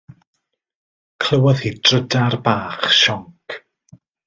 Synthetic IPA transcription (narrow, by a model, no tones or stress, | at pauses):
kʰl̥əwɔðhid̥ʰrədarbaːχʃɔŋkʰ